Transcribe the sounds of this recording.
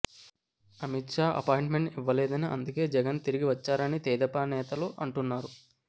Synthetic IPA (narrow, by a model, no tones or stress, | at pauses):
ɐmit̪ʂaːʔɐ̰paːjɳʈme̞ɳʈiʋːɐlɛːd̪ɐniʔɐ̰nd̪uke̞ːd͡ʒɛɡɐnt̪iɾiɡiʋɐt͡ʃːaːɾɐnit̪ɛːd̪ɐpaːnɛːt̪ɐluʔɐɳʈunːaːɾu